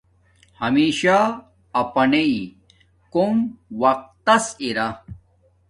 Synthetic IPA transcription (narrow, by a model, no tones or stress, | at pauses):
hɐmiːɕaː | pɐnei | komwɐq̚t̪ːɐsiɾa